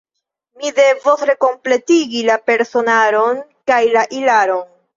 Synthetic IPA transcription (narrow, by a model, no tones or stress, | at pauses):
mide̞vosɾe̞ko̞mple̞tiɡilape̞ɾso̞naɾo̞nkajlaʔilaɾo̞n